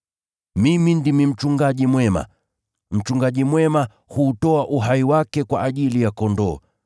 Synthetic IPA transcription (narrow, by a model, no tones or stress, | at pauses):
mimindimim̩t͡ʃuŋɡaʄimwɛma̰ | m̩t͡ʃuŋɡaʄimwɛma | huːtɔaʔuɦaiwakɛkwaʔːʄilijakɔndɔː